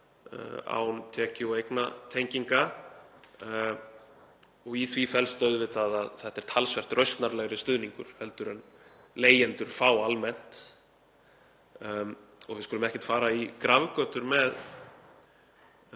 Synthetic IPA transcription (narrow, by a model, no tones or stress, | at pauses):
a̰wnt̪ʰɛːcɪɔɣejknat̪ʰejɲciŋka | ɔɣiθvifɛlst̪œɥðvɪt̪aðaðθɛht̪ːɛɾ̥t̪ʰalsvɛr̥t̪rœɥst̪naɾlɛɣɾɪst̪ʏðniŋkʏ̰ɾ̥hɛl̪t̪ʏɾɛn | leːjɛnt̪ʏɾ̥faːwalmɛn̥t̪ | ɔ̰ɣvɪðskʏlʏmɛhcɪ̥t̪faːɾaikɾavkœːt̪ʏɾmɛð